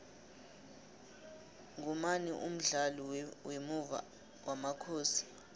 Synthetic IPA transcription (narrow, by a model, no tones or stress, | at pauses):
ŋʱumaniʔum̩ɮalɔwemuva̰ | wamakʰoːsi̥